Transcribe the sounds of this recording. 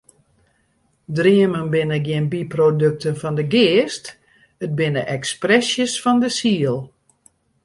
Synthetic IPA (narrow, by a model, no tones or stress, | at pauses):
driəmənbɪnəɡjɪənbiprodøk̚tənfɔndəɡɪːst | ət̚bɪnəʔɛksprɛsjəsfɔndəsiəlˠ